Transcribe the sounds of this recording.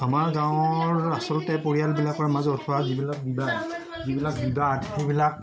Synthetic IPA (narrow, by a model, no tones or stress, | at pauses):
amaɹɡãw̃ɔɔɹasɔlʊtɛpoɹijalbilakaɹmazɔtʰɔwazibilak̚biba | zibilak̚bibatɡʰubilak̚